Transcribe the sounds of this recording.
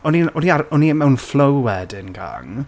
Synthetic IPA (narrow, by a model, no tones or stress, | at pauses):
ɔninɔniaɾɔnimɛwnflˠəwwɛdɪnɡa̰ŋ